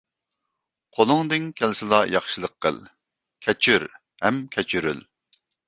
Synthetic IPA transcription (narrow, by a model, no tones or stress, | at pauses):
qʰolˠʊŋd̪ɪŋkʲʰɛlsɪlˠɑjɑχʃɨlˠəqʰːə̰lˠ | kʲʰɛt͡ʃʰyɾ | hɛmkʲʰɛt͡ʃʰyɾy̰l